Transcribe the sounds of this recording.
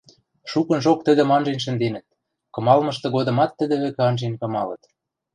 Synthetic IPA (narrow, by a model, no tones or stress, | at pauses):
ʃukɤ̆nʒok̚t̪ə̆d̪ə̆mɑnʒenʃ̬ə̆nd̪enə̆t̪̚ | kɤ̆mɑlmɤ̆ʃt̪ɤ̆ɣod̪ɤ̆mɑt̪ːə̆d̪ɘ̆βɘ̆kĕɑnʒenkɤ̆mɑlɤ̰̆t̪